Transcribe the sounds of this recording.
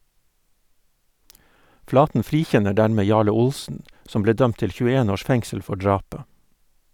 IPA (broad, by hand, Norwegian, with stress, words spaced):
ˈflɑːtn̩ ˈfɾiːˌçɛnə ˈɖæɾmeː ˈjɑːɭə ˈʊlsn̩ ˈsɔm ˈbleː ˈdœmt ˈtɪl çʉːəˈeːn ˈoːʃ ˈfɛŋsəl ˈfɔ ˈɖɹɑːpə